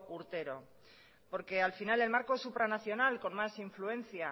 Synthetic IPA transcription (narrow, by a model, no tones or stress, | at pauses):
kuɾt̪e̞ɾo̞ | po̞ɾke̞alfinale̞lmaɾko̞supɾanaθjo̞nalko̞nmasiɱfluẽ̞n̟θja